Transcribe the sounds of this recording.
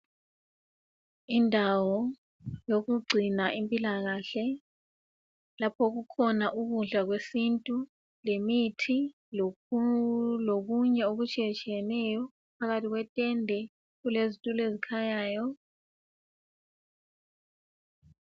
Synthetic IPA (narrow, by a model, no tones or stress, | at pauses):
indʱawɔ | joɣuɡ͡ǀʱinaʔimpʼilaɣaɬɛ | lapʰɔɣukʰɔnaʔuɣuɮaɣwesintʼu | lemitʰi | l | loɣuɲɛoɣut͡ʃʼiɛt͡ʃʼijɛnɛjɔ | pʰaɣatʰiɣwɛtʼɛndʱɛ | ɣulezitʼulezikʰajaːjɔ